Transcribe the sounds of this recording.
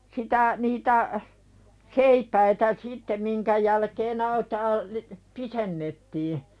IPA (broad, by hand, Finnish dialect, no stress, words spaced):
sitæ niːtæ seipæitæ sitːe miŋkæ jælkeːn ɑitɑː li pisenːetːiː